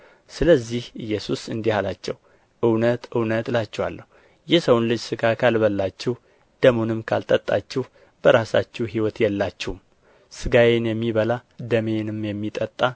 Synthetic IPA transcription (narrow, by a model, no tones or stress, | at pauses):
sɨləzːihɨjːɛsusɨnd̪ihalat͡ʃːɛw | ʔɨwnət̪ʔɨwnət̪lat͡ʃːɛwa̰lːəhu | jɛsəwnlɨd͡ʒsɨɡakʰalbəlːat͡ʃːɛh | d̪̥əmonɨmkʰa̰lt̪ʼət̪ʼːat͡ʃːɛh | b̥əɾasa̰t͡ʃːɛɦiwɔt̪jɛlːat͡ʃːɛhum | sɨɡawenjɛmːiβəlad̪əmenɨmjɛmːit̪ʼət̪ʼːa